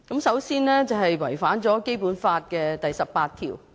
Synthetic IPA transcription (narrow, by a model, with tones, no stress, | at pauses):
kɐ˨˥msɐ˨˥wsiː˥nlɛː˥t͡sɐ˨wɦɐ˨jwɐ˨˩jfaː˨˥nt͡sɔː˨˥ke˥jpuː˨˥nfaː˧t̚kɛː˧t̪ɐ˨jsɐ˨p̚paː˧t̪ʰḭː˨˩w